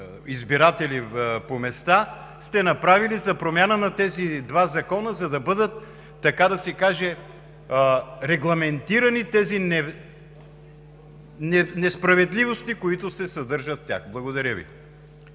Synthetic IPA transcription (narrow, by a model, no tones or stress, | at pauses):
izbiɾat̪ɛlipomɛst̪a | st̪ɛnɐpɾavilizɐpɾomʲjanənɐt̪ɛzid̪vazɐkɔnəzɐd̪ɐbɤd̪ət̪ː | ɐkad̪ɐsɛkaʒɛ | ɾɛɡlˠɐmɛnt̪iɾɐnit̪ɛzinɛ | nɛnɛspɾɐvɛd̪lʲivost̪ikoit̪ʊsɛsɐd̪ɤɾʒɐt̪ːja̰xblˠɐɡod̪ɐɾʲəvḭ